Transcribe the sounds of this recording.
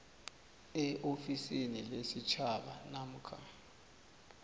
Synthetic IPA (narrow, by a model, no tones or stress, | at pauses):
ɛʔofisinilesit͡ʃʰaɓa̰nam̩kʰa